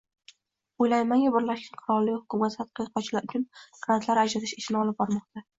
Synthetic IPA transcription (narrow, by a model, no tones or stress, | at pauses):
ojlajmaŋʲabɪɾlaʃkʰʲanqʰʊɾɒllːɪkʲhʊkʊmat̪at̪qʰɨjqʰɒt͡ʃʰɪlaɾʊt͡ʃʰʊnɡ̥ɾant̪ʰlaɾad͡ʒɾat̪ʰɪ̥ʃɪʃɪnɪɒlˠɪp̚bɒɾmɒq̚t̪a